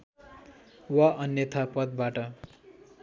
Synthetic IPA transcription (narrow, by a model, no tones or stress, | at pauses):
waʔʌnjʌt̪ʰapʌt̪̚baʈʌ